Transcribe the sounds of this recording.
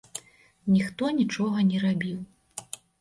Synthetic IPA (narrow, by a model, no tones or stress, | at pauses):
nʲixt̪ɔnʲit͡ʂɔɣɐnʲɛɾabʲiw